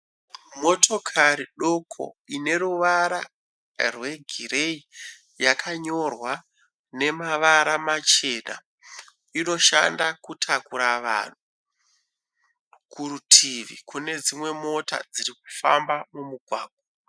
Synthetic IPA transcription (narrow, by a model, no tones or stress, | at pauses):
mo̞tʰo̞kʰaɾiɗo̞kʰo̞̰ine̞ɾuʋaɾa | rwe̞ɡʱiɾei | jakʰaɲo̞rwa | ne̞maʋaɾamat͡ʃe̞na̰ | ino̞ʃandakutʰakuɾaʋa̰ːn̤u | kʰuɾutʰiʋḭkune̞d͡zimwe̞mo̞ta̰d͡ziɾik̚u̥fa̰mbamumuɡʱwaːɡ̥ʱwa